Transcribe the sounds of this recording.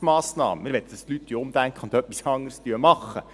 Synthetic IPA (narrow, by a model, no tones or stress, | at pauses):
mɑːsnɑ̰ːməmɪɾʋɛt̪d̥ɑst̪lytːyʊmd̥̪æŋkχəʊnd̪œpːisɑŋːəɾstyəmɑχːə